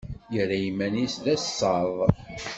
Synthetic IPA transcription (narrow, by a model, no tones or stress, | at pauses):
jəɾːæjimːænisðæssɑðˤ